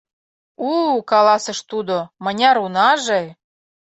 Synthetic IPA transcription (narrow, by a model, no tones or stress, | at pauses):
ukɑlˠɑsɤ̆ʃt̪ud̪omɤ̆nʲɑɾunɑʒej